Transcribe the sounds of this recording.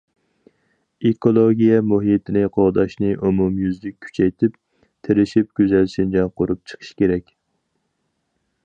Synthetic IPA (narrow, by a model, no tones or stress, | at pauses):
ekolˠoɡʲijɛmuɦijt̪ʰɪnɪqʰoʁd̪ɑʃnɨʔumumjyzlɪkʲkʲʰːy̥t͡ʃʰɛjt̪ʰɪp | t̪ʰeɾɪʃip̚ɡʲyzælʃind͡ʒɑnqʰoɾup̚t͡ʃʰə̥qʰə̥ʃkʲʰeɾɛkʲ